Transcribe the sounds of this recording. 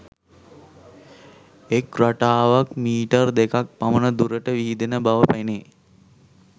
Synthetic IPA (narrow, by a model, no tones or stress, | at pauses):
ekraʈaːʋakmiːʈərd̪ekak̚pamənəd̪uɾəʈəʋiɦid̪enəbaʋəpajne